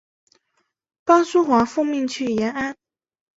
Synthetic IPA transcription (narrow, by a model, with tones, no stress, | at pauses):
pɑ˥su˥xwa˧˥fu˥˧mi˥˧ŋt͡ɕʰy˥˩jɛ˧˥na˥n